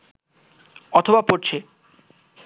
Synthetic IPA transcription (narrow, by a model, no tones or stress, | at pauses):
ɔt̪ʰobapoɾt͡ɕʰe